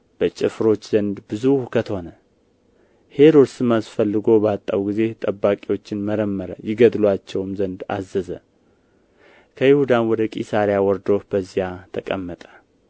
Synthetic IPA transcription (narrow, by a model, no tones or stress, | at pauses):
b̥ət͡ʃʼɪfɾo̞t͡ʃːz̥ənd̪bɨzuhukʰət̪ʰəho̞nə | he̞ɾo̞d̪sɨmːasfəlːɨɡo̞bəat̪ʼːa̰wɡize̞t̪ʼəbːakʼiwo̞t͡ʃːɪnməɾəmːəɾəjɪɡəd̪lwat͡ʃːɛwmzənd̪a̰zːəzə | kʰəjɪhud̪anwɔd̪əkʼisaɾijawɔɾd̪o̞b̥əzːijat̪ʰəkʼəmːət̪ʼə̥